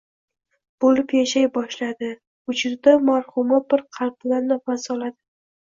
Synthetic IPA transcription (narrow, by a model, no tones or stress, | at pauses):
b̥olɪpjaʃajbɒʃlad̪ɪ | ʊd͡ʒɪɾd̪amaɾχʊmabɪɾqʰɑlplaɾnɪfasɒlˠad̪ɪ